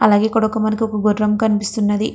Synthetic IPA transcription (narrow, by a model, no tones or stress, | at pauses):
ɐlaːɡe̞ːkɔɽɐkːɐmɐnkiɔkɐɡoɾɾɐmkɐnipist̪unːɐd̪i